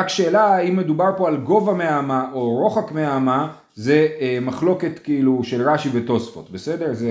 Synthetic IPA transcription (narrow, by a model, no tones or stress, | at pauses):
akʃe̞ːlaimːe̞dubaʁpo̞alɡo̞vameamaʔoʁo̞χakmeama | ze̞maχlo̞ke̞tkeiluʃelʁaʃiveto̞sfo̞tbesedeʁze